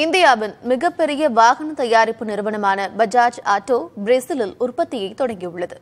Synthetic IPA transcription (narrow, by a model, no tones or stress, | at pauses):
ɪnd̪ɪjaːʋɪnmɪɣɐpːɛɾɪjɐʋaːɣɐnɐt̪ɐjaːɾɪpːɯnɪɾɯʋɐɳɐmaːnɐbɐd͡ʒaːd͡ʒaːʈːoːbɾeːsɪlɪlʊrpɐt̪ːɪjɐɪt̪ɔɽɐŋɡijʊɭːɐðɯ